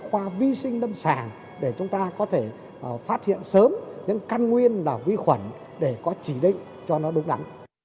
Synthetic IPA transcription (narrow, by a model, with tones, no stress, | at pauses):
xwaː˧vi˧sï˧ŋ̟ɗə˧msaː˧˩n | ɗe˧˩t͡ɕʊ˨˦ŋ͡mt̪aː˧kɔ˨˦t̪ʰe˧˩˨ | faː˦˥t̚hḭ˧˨ənsəː˨˦mɲɨ̰˧˥ŋkaː˧nŋwi˧ənlaː˨˩vi˧xwə˧˩n | ɗe˧˩kɔ˨˦t͡ɕi˧˩ɗḭ̈˧˨ŋ̟ | t͡ɕɔ˧nɔ˨˦ɗʊ˨˦ŋ͡mɗa˨˦n